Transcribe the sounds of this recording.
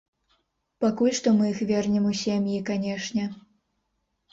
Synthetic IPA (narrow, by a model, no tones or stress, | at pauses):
pakulʲʂt̪ɔmɨixvʲɛrnʲɛmusʲemʲjikanʲɛʂnʲɛ